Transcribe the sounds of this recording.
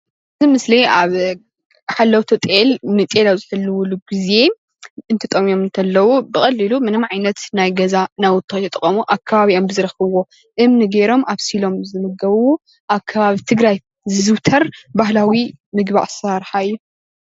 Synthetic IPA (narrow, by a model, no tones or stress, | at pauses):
ʔɨzimɨsleaβ | ħalːɐwt̪ʰot̪ʼelnɨt̪ʼelaβzɨħɨlːɨwuluɡize̞ | ɨnt̪ʰɨt̪ʼɐmio̞mɨnt̪ʰɐlːɐwubɨxʼɐlːɨlumɨnɨmʕajnɐt̪najɡɐzanajwʊt̪ʼʰːot̪ʰɐt̪ʼɨkʼɐmuʔakʰːaβaβiʔombɨzɨɾɐxɐβwo̞ | ʔɨmnɨɡeɾo̞mʔaβsilo̞mzɨmɨɡɐβwo | ʔakʰːɐβaβit̪ʰɨɡɾaj | zɨzɨwt̪ʰɐɾbahlawi | mɨɡba̰ʔsaɾħaɨjːu